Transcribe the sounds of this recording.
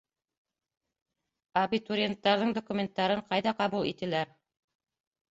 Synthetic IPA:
ɐbit̪uɾʲent̪ːɑɾðɤɴd̪okumʲent̪ːɑɾɤɴqɑjðɑqɑβulˠḭt̪ɘ̆læɾ

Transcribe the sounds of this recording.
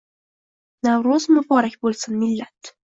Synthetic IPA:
nawɾozmʊbɒɾakʲbolˠsɪnmɪlːat̪

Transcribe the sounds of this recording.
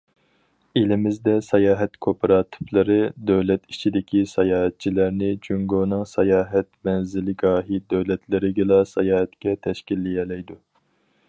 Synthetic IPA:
elɪmɪzd̪ɛsɛjɑːɦɛt̪kʰopʰɾɑːt̪ʰɨ̥flˠɨɾɨd̪øwlɛt̪it͡ʃʰid̪ɪkʲʰisɛjɑːɦɛt̪̚t͡ʃʰilæɾnɪd͡ʒyŋɡoːnɨŋsɛjɑːɦɛt̪mɛnzɪlɪɡɑːɦid̪øwlɛt̪ʰlɪɾɪɡʲilˠɑsɛjɑːɦɛt̪kʲɛt̪ʰɛʃkʲilːijɛlɛjd̪u

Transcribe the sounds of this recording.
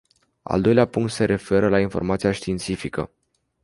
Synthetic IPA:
a̰ld̪o̞jleapuŋkt̪se̞ɾʔe̞fe̞ɾəlainfo̞rmat̪sijaʃt̪iːnt̪sifikə̰

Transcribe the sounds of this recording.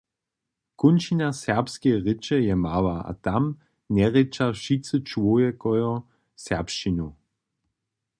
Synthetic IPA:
kʊnʃinasɛʁpskeʁɪt͡ʃɛjɛmavaa̰tam | nɛʁɪt͡ʃaʃit͡sət͡ʃwojɛkɔjɔ | sɛɐpʃinu

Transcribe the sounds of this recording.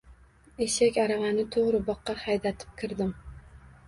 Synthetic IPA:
eʃakʲaɾavanɪt̪ʰoʁɾɪbɒqːɑhajd̪at̪ʰɪ̥p̚kʲʰɪɾd̪ɪm

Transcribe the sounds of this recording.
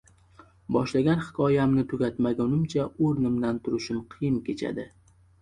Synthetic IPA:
bɒʃlaɡʲanhɪ̥kʰɒjamnɪt̪ʰʊɡʲat̪maɡʲʊnɪmt͡ʃʰaoɾnɪmd̪ant̪ʰʊɾɪʃɪmqʰɨjɪmkʲʰe̞t͡ʃʰa̰d̪ɪ

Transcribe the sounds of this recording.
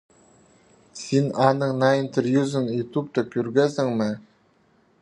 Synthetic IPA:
sinɑnɤɴnɑint̪ervjuzɤnjut̪up̚t̪ɤkʲʉɾɡæsɘŋmɘ

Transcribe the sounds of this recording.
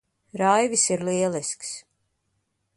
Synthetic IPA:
ɾajvisiɾliɛlˠisks

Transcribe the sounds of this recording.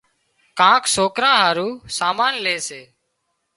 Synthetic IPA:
kãːksoːkɾãːɦaːɾuːsaːmaːnleːseː

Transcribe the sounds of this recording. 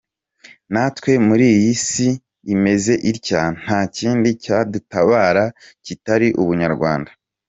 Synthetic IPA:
natwe̞muɾiːjjisi | ime̞ze̞ʔiɾcan̥haːciːndicadutaβaːɾa | citaɾiʔuβuɲaɾɡwa̰ːndḁ

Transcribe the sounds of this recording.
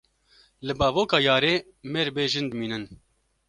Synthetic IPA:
lɨbɑːvoːkɑːjɑːɾeː | meːɾbeːʒɨnd̪ɨmiːnɨn

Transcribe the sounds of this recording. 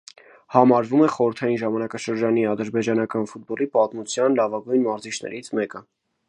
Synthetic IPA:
hɑmɑɾvumɛχɔɾəɾt̪ʰɑjinʒɑmɑnɑkɑʃəɾd͡ʒɑniɑd̪əɾbɛd͡ʒɑnɑkɑnfut̪̚bɔlipɑt̪mut͡sʰjɑnlɑvɑɡujnmɑɾzit͡ʃʰnɛ̰ɾit͡sʰmɛkə

